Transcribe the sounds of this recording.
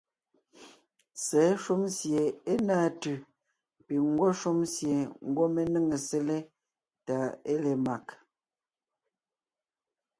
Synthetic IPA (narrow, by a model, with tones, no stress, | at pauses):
sɛ˨˦ʃu˦msje˨e˦naː˦˨tʉ˨ | pi˨ŋ˦ɡwɔ˦ʃu˦msje˨ŋ̩˦ɡwɔ˦me˦nə˦ŋe˨se˦le˦ | ta˨˦e˦le˨ma˨k